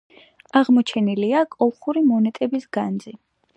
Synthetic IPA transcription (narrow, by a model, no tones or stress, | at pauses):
aʁmɔt͡ʃʰɛniliakʼɔlˠχuɾimɔnɛt̪ʼɛbisɡ̥anzi